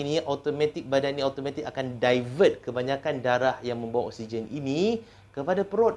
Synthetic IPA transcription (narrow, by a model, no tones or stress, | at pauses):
iniʔɔt̪omɛ̃t̪ik̚badanniat̪omãt̪ik̚akandajvət̪̚kəbaɲãkandaɾahjaŋmə̃mbawaʔɔ̰k̚sid͡ʒənʔinĩ | kəpadapəɾot̚